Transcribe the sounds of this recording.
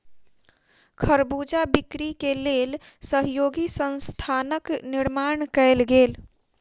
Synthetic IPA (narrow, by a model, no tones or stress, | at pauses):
kʰəɾbud͡ʒabikɾikeleːlsəɦjoːɡisə̃nst̪ʰaːnəkniɾmaɳkəɪlɡeːl